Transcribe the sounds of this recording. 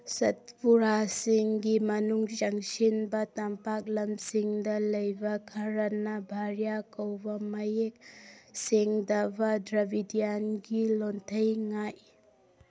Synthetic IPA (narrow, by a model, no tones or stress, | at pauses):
sɐt̚puɾasiŋɡimɐnuŋt͡ʃaŋsinbɐtampak̚lɐmsiŋdɐlɐjbɐkʰɐɾɐnɐbʱaɾjakɐwbɐmɐjek̚seŋdɐbɐdɾɐbidijanɡilontʰɐjŋaj